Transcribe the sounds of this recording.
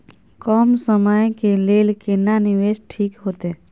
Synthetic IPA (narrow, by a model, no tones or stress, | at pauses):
kɔːmsəməjkeleːlkenanɪʋeːʃʈʰiːkɦoːt̪eɦɛː